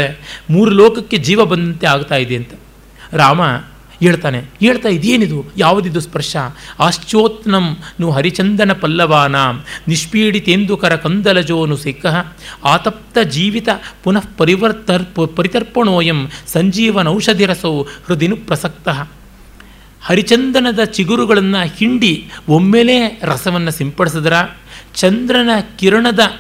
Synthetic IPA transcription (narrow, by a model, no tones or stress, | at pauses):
emuːɾuloːkɐkːed͡ʒiːʋɐbɐnd̪ɐnt̪eaːɡt̪aːjid̪eɐnt̪ɐ̥ | ɾaːmɐ | ɦeːɭt̪aːneɦeːɭt̪aːjid̪eːnid̪ujaːʋud̪id̪uspɐɾʂaaːʃt͡ʃoːt̪nɐmnuɦɐɾit͡ʃɐnd̪ɐnɐpɐlːɐʋaːnaːniʂpiːɽit̪eːnd̪ukɐɾɐkɐnd̪ɐlɐd͡ʒoːnusekɐɦɐ̆aːt̪ɐp̚t̪ɐd͡ʒiːʋit̪ɐpunɐfpɐɾiʋɐɾt̪ɐpɐɾit̪ɐɾpɐɳoːjɐmsɐɲd͡ʒiːʋɐnɐwʂɐd̪ʱiɾɐsoːhɾud̪inupɾɐsɐk̚t̪ɐɦɐ | hɐɾit͡ʃɐnd̪ɐnɐd̪ɐt͡ʃiɡuɾuɡɐɭɐnːɐhiɳɖiomːeleːɾɐsɐʋɐnːɐsimpɐɽis̬ɐd̪ɐɾaːt͡ʃɐnd̪ɾɐnɐkiɾɐɳɐd̪ɐ